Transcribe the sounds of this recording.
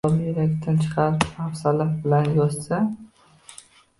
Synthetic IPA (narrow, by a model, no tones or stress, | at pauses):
ɒbjeɾakʲt̪ʰant͡ʃʰχɑɾafsalafbɪlanjɒzsa